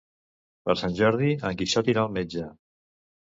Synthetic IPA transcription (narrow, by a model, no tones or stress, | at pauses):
pə̰ɾsanʲʒɔɾð̞iəŋkiʃɔt̪iɾalˠmed͡ʒə